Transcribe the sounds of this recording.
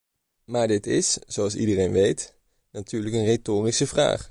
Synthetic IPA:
maːɹdɪtɪsz̥owɑlˠsḭdərejnʋejt | natʰyːɹləkənretoːrisəvra̰ːχ

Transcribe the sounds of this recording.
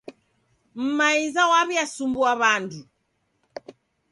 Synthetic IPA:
m̩maizawaβjasumbuaβandu

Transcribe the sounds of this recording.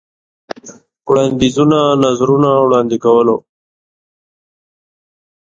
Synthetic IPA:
wɽɑnd̪izunanazɾunawɽɑnd̪ikawəlo

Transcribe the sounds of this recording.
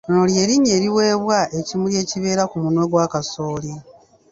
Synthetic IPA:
nolje̞ːɾiɲeːɾiwe̞ːβwaʔecimulje̞ːciβe̞ːɾakumunwe̞ɡwaːkasoːli

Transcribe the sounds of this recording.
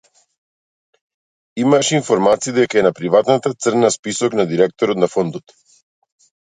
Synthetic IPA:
imaʃɛinfɔɾmat̪siːd̪ɛkaɛnapɾivat̪nat̪at̪sərnaspisɔknad̪iɾɛk̚t̪ɔɾɔt̪nafɔnd̪ɔt̪

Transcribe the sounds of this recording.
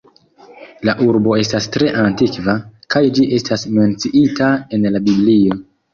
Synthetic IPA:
laʔuɾbo̞e̞stastɾe̞ʔantikvakajd͡ʒiʔe̞stasme̞nt͡siʔitae̞nlabiblio̞

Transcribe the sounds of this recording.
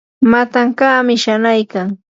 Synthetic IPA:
mat̪aŋkaːmɪʃanajkaŋ

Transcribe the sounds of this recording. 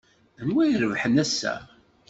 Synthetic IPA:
nwæjɾəvħənæsːæ̰

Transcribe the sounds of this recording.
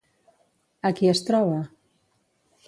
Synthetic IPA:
akiəst̪ɾɔβa

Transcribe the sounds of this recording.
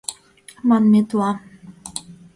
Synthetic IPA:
mɑnmet̪uɑ

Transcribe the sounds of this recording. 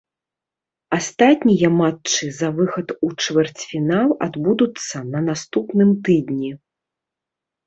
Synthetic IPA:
ast̪at̪ʲnʲijɐmatt͡ʂɨzɐvɨxɐt̪ut͡ʂvʲɛrt͡sʲfʲinalˠa̰d̪bud̪ut̪sːɐnɐnast̪upnɨmt̪ɨd̪nʲi

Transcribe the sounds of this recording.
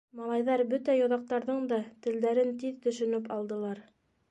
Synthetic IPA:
mɑlˠɑjðɑɾbɵt̪æjŏðɑq̚t̪ɑɾðɤɴd̪ɑt̪ɘ̆ld̪æɾɘnt̪iðt̪ɵ̆ʃɵ̆nɵpɑlˠd̪ɤ̆lˠɑɾ

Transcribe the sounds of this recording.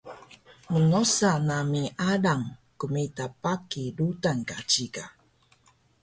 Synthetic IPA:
mənɔsanamiʔaɾaŋkumetapakiɾutankat͡ɕika

